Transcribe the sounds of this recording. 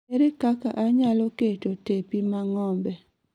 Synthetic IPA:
eɾekakaʔaɲaloketotepimaŋɔmbɛ

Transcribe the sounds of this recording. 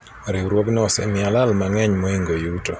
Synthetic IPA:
ɾɪwɾwoɡnɔsɛ̰mɪalalmaŋɛɲmɔiŋɡojuto

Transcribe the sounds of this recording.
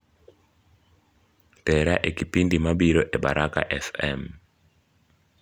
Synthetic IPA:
tɛɾaʔekipindimabiɾoʔeɓa̰ɾʔaka̰ʔɛfɛ̰m

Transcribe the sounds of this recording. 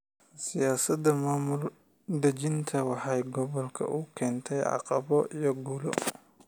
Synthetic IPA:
sɪjaːsɐd̪ɐmaːmʊl | d̪ɐt͡ʃɪnt̪ʰɐwɑħɑjɡɔβɔlkʰɐ̰ʔʊkʰɛːnt̪ʰɛjʕɑ̰qɑ̰βɔijɞɡulɔ̰

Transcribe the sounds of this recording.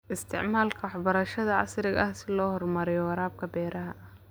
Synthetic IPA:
ʔɪst̪ʰɪ̰ʕmaːlkʰɐwɑħbɐɾɐʃɐðɐʕɑ̰sɾɪɣɐhsɪlɔːhɔrmɐɾɪjɔwɑɾaːb̚kʰɐbɛːɾɐɦɐ

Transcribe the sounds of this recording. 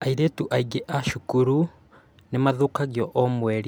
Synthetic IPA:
aiɾetuʔaiɡeʔaʃukuɾu | nemaðukaɣjɔʔɔmwɛɾ

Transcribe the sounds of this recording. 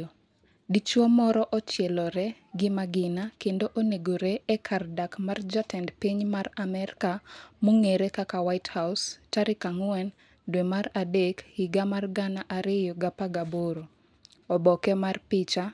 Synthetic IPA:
dit͡ʃwɔmɔɾɔʔɔt͡ʃjɛlɔɾɛ | ɡɪmaɡɪnakendoʔoneɡoɾeɛkʰardakmard͡ʒatɛndpiɲmaramɛrkamoŋeɾekakawaɪthawstaɾɪkaŋwɛn | dwemaɾadekhiɡamarɡanaʔaɾɪjoɡapaɡaboɾo | ɔbɔkɛmarpɪt͡ʃa

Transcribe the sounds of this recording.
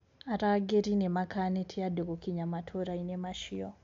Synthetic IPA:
aɾaɡeɾinemakanetʰiadoɣokiɲamatʰoɾainemaʃijo

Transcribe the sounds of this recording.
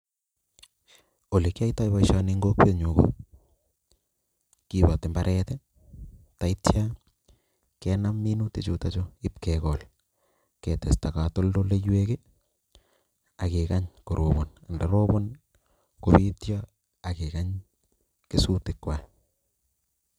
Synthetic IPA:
olikajtajbaʃaniŋɡok̚peɲoko̰ | kibatembaɾʔɛtɛ | taitja | kɛnamːinutet͡ʃutat͡ʃoɪp̚kɛkɔl | kɛtɛstakatoldolejweke | akekaɲkoɾʔobonandaɾobon | koβitja | akekaɲ | kesutɪkːwa

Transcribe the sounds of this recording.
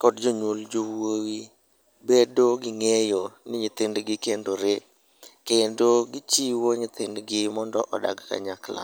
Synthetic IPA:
kɔdd͡ʒoɲwold͡ʒowowi | bedoɡɪŋejonɪɲɪt̪ɪndɡɪkendoɾe | kendoɡɪt͡ʃiwoɲɪt̪ɪndɡɪmɔndɔʔɔda̰ɡka̰ɲakla̰

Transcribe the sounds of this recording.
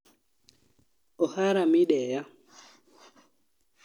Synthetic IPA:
ʔɔhaɾamiɗɛja

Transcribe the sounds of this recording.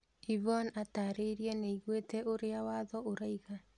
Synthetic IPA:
ivɔnataɾeiɾiɛneiɣwetɛʔoɾeawaːðɔoɾaiɣa

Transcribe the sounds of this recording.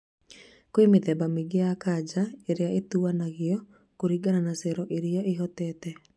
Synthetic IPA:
koemeðɛbameɡeakad͡ʑaeɾeaʔetuanaɣjɔ | koɾiɡananasɛɾɔʔeɾiɔʔeɦɔtɛːtɛ

